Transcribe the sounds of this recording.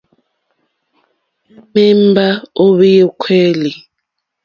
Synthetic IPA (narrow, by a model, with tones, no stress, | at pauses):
me˦m˦ba˦o˦βe˦je˦kʰwe˦li˨